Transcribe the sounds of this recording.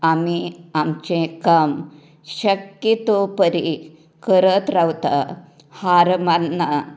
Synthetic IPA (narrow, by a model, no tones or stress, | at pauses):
amiamt͡ɕẽkəm | ɕəkjit̪opəɾi | kəɾət̪ɾawt̪a̰ | haɾmanːə